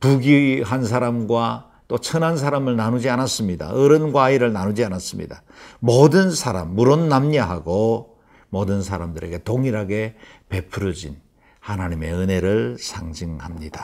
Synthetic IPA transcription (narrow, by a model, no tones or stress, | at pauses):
puɡiɦans̬ʰaɾamɡwa | t͈ot͡ɕʰʌnɦans̬ʰaɾamɯɭnanud͡ʑianas͈ɯmɲida̰ɯɾɯnɡwaiɾɯɭnanud͡ʑianas͈ɯmɲḭda | mʌdɯnsʰaɾa̰mːuɾonːamɲeɦaɡo | mʌdɯnsʰaɾamdɯɾe̞ɡe̞toŋiɾaɡe̞pe̞pʰɯɾʌd͡ʑin | hanaɲime̞̰ɯne̞ɾɯɭsʰaŋd͡ʑiŋhamɲid̥ḁ